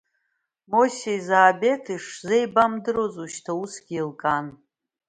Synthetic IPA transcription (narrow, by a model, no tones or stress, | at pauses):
mosʲejzaːbe̞tʰiʂzejbamdɨɾozuʃtʰausɡʲiilkʼan